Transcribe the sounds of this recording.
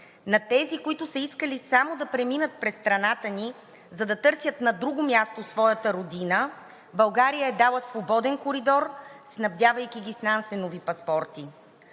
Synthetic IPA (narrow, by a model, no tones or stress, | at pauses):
nɐt̪ɛzikoit̪ʊsəiskəlisamod̪ɐpɾɛminət̪̚pɾɛst̪ɾɐnat̪əni | zɐd̪ɐt̪ɤɾsʲjət̪nɐd̪ɾuɡomʲjast̪osvɔjət̪əɾod̪inə | bɐlˠɡaɾijəɛd̪alˠəsvobɔd̪ɛnkoɾid̪ɔɾsnɐvd̪javɐjkʲiɡʲisnansɛnovipɐspɔɾt̪i